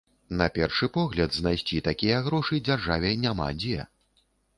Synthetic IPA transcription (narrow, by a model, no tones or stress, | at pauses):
nɐpʲɛrʂɨpɔɣlʲɐd̪znajsʲt͡sʲit̪akʲijɐɣɾɔʂɨd͡zʲarʐavʲɛnʲama̰d͡zʲɛ